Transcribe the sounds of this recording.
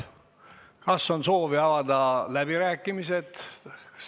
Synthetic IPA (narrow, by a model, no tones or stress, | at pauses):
kɑsːo̞nso̞ːviɑvɑd̪̥ɑlæb̥iɾæːkːˑimise̞t̪